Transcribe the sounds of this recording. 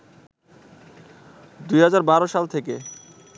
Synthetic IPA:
d̪ujɦad͡ʑaɾbaɾoʃalt̪ʰeke

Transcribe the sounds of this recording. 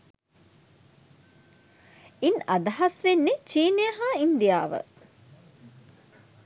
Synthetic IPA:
inɐd̪ɐɦasʋenːet͡ʃiːnejəɦaːind̪ija̰ːʋə̰

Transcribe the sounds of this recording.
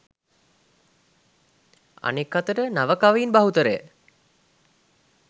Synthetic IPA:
a̰nekːat̪əʈənaʋəkaʋəinbaɦut̪əɾəjə̰

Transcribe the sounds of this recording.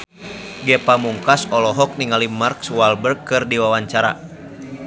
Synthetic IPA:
ɡɛpamuŋkasɔlɔɦɔk̚niŋalimarkswalbərk̚ːɨrdiwawaɲt͡ʃaɾa̰

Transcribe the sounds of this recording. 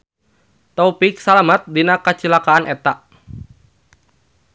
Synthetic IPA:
t̪ɔpiksalamat̪̚dinakət͡ʃilakaːnʔɛt̪aʔ

